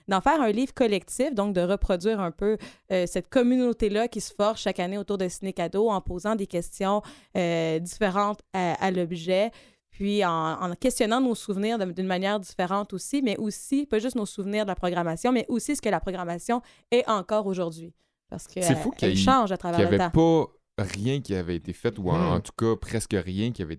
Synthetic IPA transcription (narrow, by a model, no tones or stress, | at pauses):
d̪ɑ̃fɛːʁɛ̃liːvʁkɔlɛk̚t̪ifd̪ɔ̃k̚d̪əʁəpχɔdzɥiːʁɛ̃pøøsɛt̪̚kɔmynot̪elakʲisə̥fɔʁʃʃakaneot̪uʁd̪əsinekad̪oɑ̃pozɑ̃d̪ekʲɛst̪jɔ̃ | ød̪ifeʁɑ̃t̪aalɔbʒɛ | pʰɥiɑ̃ɑ̰̃kʲɛst̪jɔnɑ̃nosuvniːʁd̪əd̪ynmanjɛːʁd̪ifeʁɑ̃t̪osimɛʔosipaʒʏst̪nosuvniːʁd̪əlapχɔɡʁamasjɔ̃mɛʔosisə̥kəlapχɔɡʁamasjɔ̃ | ɛʔɑ̃kɔːʁoʒuʁd̪ɥi | pa̰ʁsə̥kəsɛfukʲaʃɑ̃ːʒat̪χavɛɛalvɛt̪apa | ʁjɛ̃kʲiavɛet̪efɛt̪uɑ̰̃ɑ̰̃t̪u̥kapχɛskəʁjɛ̃kʲiavɛ